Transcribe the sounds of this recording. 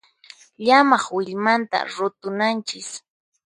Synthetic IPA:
ʎamɑχwɪʎmant̪a̰ɾʊt̪ʊnant͡ʃɪs

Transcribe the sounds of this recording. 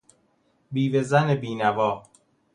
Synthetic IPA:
biːvezænebiːnævɒː

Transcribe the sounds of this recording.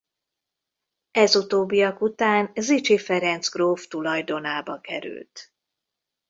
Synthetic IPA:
ɛzut̪oːbːijɒkut̪aːnzit͡ʃifɛɾɛnt̪zɡroːft̪ulɒjd̪o̞naːbɒkɛɾy̰lt̪

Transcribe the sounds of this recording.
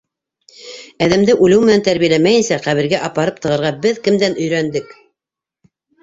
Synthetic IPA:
æðæmd̪ɘʔʉlɘwmɘ̆nænt̪æɾβijælæmæjɘ̆nsæχæβɘ̆ɾɡæʔɑpɑɾɤp̚t̪ɤ̆ʁɤ̆ɾʁɑbɘðkɘ̆md̪ænɵ̆jɾænd̪ɘk

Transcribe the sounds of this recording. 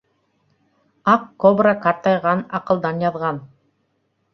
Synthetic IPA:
ɑqːobrakɑɾt̪ɑjʁɑnɑqɤ̆lˠd̪ɑnjɑðʁɑn

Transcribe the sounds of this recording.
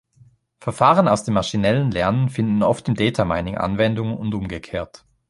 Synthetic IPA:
fɛɐfaːʁənaʊsd̥eːmːaɐʃinɛlənlɛɐnənfɪndn̩ɔftɪmdɛːtʰama̰ɪnɪŋʔa̰nvɛndʊŋʊntʔʊmɡəkʰeːɐt

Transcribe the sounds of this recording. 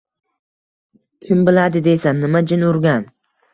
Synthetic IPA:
kʲʰɪmbɪlad̪ɪd̪ejsanːɪmad͡ʒɪnʊɾɡʲan

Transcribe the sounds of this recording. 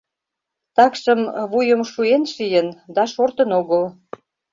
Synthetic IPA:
t̪ɑkʃə̆mβujəmʃuenʃijənd̪ɑʃort̪ənoɣəl

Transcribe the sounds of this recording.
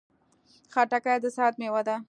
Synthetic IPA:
xaʈakajd̪əsɑt̪̚mewad̪a

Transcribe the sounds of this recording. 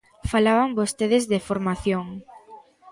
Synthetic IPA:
falaβambost̪eðezðefoɾmaθjoŋ

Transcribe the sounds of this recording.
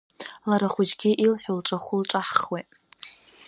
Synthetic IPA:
laɾaχʷʊd͡ʒɡʲiʔilħʷᶣʊlʈ͡ʂʼaχʷʊlʈ͡ʂʼaħχwetʼ

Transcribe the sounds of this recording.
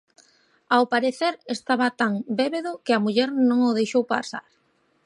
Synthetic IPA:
awpaɾeθeɾest̪aβat̪aŋbeβeðʊkɪamuʎɛɾnõŋʊðejʃowpa̰sa̰ɾ

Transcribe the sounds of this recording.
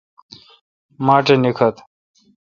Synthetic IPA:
maːʈenikʰɐt̪

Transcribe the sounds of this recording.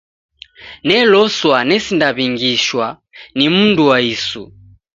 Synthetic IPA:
nɛlɔswanɛsindaβiŋɡiʃwa | nimunduwaisṵ

